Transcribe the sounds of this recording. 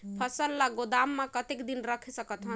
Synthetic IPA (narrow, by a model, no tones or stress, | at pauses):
pʰʌsəlːaɡod̪amːakət̪ekd̪inɾəkʰisəkət̪ɦən